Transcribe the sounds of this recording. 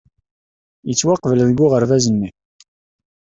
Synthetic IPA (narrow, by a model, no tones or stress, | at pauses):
jət͡sːwɑqvəlðəɡːʊʁəɾvæzənːi